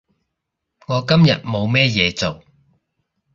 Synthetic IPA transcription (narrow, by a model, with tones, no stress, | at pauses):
ŋɔː˨˧kɐ˥mjɐ̰˨t̚mo˨˧wmɛː˥jɛː˨˧t͡so˨w